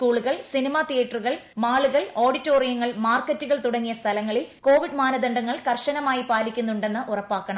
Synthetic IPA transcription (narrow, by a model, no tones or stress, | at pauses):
skuːɭuɣɐɭsinimaːt̪ijɐʈːruɣɐɭmaːɭuɣɐɭo̞ːɽitːoːrijɐŋːɐɭmaːrkːɐtːuɣɐɭt̪uɽɐŋːijɐst̪ʰɐlɐŋːɐɭilko̞ːʋiɖmaːnɐd̪ɐɳɖɐŋːɐɭkɐrʂɐnɐmaːjipaːlikʲːunːuɳɖe̞nːɨʔurɐpːaːkːɐɳɐm